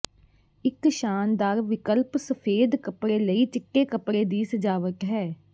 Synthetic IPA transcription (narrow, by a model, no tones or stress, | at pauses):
ɪkʃaːnd̪aːɾʋɪkəlpsəpʰeːd̪kəpɽeːləiːt͡ʃɪkːeːkəpɽeːd̪iːsəd͡ʒaːʋət̪ɦɛː